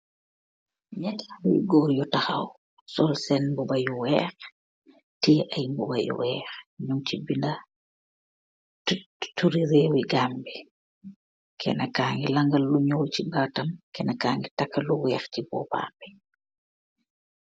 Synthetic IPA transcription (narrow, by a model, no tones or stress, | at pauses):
ɲɛtlṵjɡɔːɾjɔtaxaw | sɔlsɛnmbɔbajuwɛːx | tiːʔɐjmbubajṵwɛːxɲuŋt͡ʃibinda | tuɾiɾɛwiɡaːmbi | kʰɛ̰nakaːŋɡilaŋɡalːuɲɔːlt͡ʃibatamkɛnakaŋɡitakːaluwɛːxt͡ʃibɔ̰pa̰ːmbɛ